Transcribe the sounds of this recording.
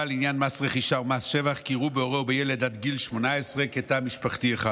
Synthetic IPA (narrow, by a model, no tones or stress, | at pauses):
alinjanmasʁeχiʃaumasʃevaχkiʁubeo̞ʁebejeled̪ad̪ɡilʃmo̞naesʁeket̪amiʃpaχt̪ieχa